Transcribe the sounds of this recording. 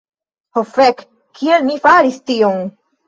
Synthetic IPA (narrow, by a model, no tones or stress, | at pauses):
hofek | kʰːielmifaɾist̪ion